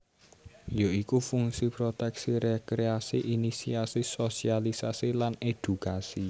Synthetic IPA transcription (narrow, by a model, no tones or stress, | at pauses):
joikufuŋsipɾot̪ɛksiɾekɾeasiʔinisiasisosialisasilaned̪̥ukasi